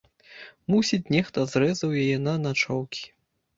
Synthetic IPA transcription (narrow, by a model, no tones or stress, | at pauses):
musʲit͡sʲnʲɛxt̪ɐzɾɛzɐwjajɛnɐnat͡ʂɔwkʲi̥